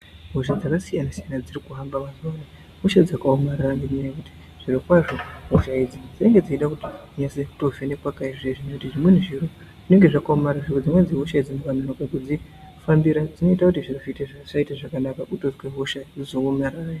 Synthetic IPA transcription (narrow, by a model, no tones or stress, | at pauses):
ɦo̞ʃ̬ad͡zakasijanasijanad͡zirikuɦambamasuana | ɦoʃad͡zakaomararanɡiniɲajakuti̥ | ʐ̥iɾokwaʐo̞ɦoʃaid͡zid͡zireŋɡe̞d͡ziiɗakuti̥ɲaseutovenekwakaiʐeʐinekutiʐimwen̤uʐiɾo | ʐine̞ŋɡeʐakaomaɾaʐirod͡zimwe̞d͡ziɦoʃaid͡zimukananokakud͡zi | fambiɾad͡zino̞itakutiʐirofiteʂaitaʐakanakaʔutoskweɦoʃad͡zizoomaɾaːja